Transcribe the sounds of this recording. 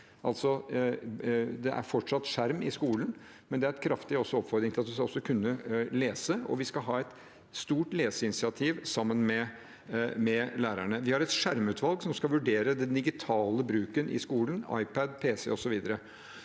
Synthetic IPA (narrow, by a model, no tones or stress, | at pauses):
ʔɑlt̪sɔ | d̪ɛʔæ̰ɾfɔʈʂɑt̪ːʂæɾmɪskuːlən | mɛnd̪ɛæɾɛt̪kʰɾɑft̪ɪɔsːɔɔpfɔɾd̪ɾɪŋt̪ɪlɑt̪d̪ʉskɑɔsːɔkʰʉnːəleːsəɔ̰ʋɪskɑɦɑːɛt̪ | st̪uːʈleːsəɪnɪsɪɑt̪ʰiːʋsɑmːənmɛ | mɛlæːɾæɳəʋɪhɑɾɛt̪ʂæɾmʉːt̪ʰʋɑlɡsɔmskɑlʋʉɖeːɾəd̪ɛnd̪ɪɡɪt̪ʰɑːləbɾʉːkənʔɪ̰skuːlənɑ̰ɪpəd̪pʰeːsɛ̰ɔsɔʋiːd̪əɾə